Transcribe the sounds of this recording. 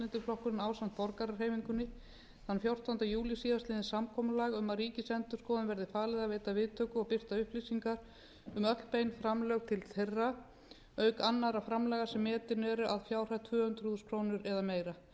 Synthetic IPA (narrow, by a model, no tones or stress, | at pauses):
lɪnt̪ɪɾflɔhkʏɾɪnaːwsan̥t̪̚fɔɾkaɾaɾ̥ɦeːjmiŋkʏnːɪ | θanːfjowr̥t̪awnt̪ajuːlɪsiːðast̪ɪːðɪnsamkʰɔːmlaːɣʏmːaɾiːcɪsɛnt̪ʏ̥skɔːðʏnvɛɾðɪfaːlɛðavɛːt̪avɪðt̪ʰœːkʏɔpɪr̥t̪aʏhplisiŋkaɾ̥ | ʏmœklpejnfɾamlœɣt̪ʰɪlθerːa | œɥkanːaɾafɾamlɛːɣasɛmːɛːt̪ɪnɛɾʏʔaðfjaːwr̥at̪ʰvʏːʏnt̪ɾ̥huðʏskʰɾoːwnʏɾɛðameːjɾa